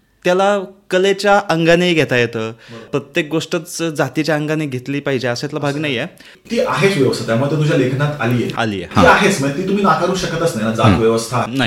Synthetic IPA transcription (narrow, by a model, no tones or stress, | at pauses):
t̪jalakəlet͡ɕjaʔəŋɡaneɡʱet̪ajet̪əpɾət̪jek̚ɡoʂʈət͡sd͡zat̪it͡ɕjaəŋɡaneɡʱet̪liːpaɦid͡ʑeəsẽt̪labʱaɡnaɦijje | t̪iʔaɦet͡sʋjəʋəst̪ʰat̪jaməɡt̪et̪ud͡ʑjalekʰnat̪a̰liːjḛa̰lḭːḛt̪iaɦet͡sməet̪̬iːt̪um̤iːnakaɾuːɕəkət̪əsnaɦjnad͡zak̪ʋjəʋəst̪ʰana